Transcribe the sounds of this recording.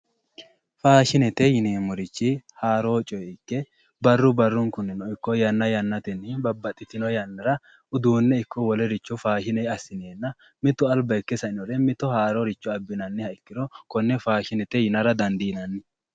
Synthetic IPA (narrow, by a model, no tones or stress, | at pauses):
faːʃɪnɛt̪ɛjɪneːmːɔɾɪt͡ʃːɪhaːɾoːt͡ʃʼɔjɛɪkːɛ | bɐrːʊbɐrːʊŋkʊnːɪnɔɪkːɔjɐnːɐjɐnːɐt̪ɛnːɪbɐbːɐt̪ʼːɪt̪ɪnɔjɐnːɐɾɐ | ʊd̪uːnːɛɪkːɔwɔlɛɾɪt͡ʃːɔfaːʃɪnɛɐsːɪneːnːɐ | mɪt̪ːʊɐlbɐɪkːɛsɐɪnɔɾɛmɪt̪ɔhaːɾɔɾɪt͡ʃːɔɐbːɪnɐnːɪhɐɪkːɪɾɔkɔnːɛfaːʃɪnɛt̪ɛjɪnɐɾɐd̪ɐnd̪inɐnːɪ